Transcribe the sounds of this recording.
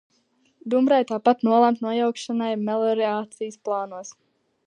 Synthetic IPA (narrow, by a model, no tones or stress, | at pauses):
d̪umbɾajt̪aːpat̪nuɔlˠamt̪nuɔjawkʃanajmɛlˠɔɾɛaːt̪sijsplˠaːnuɔs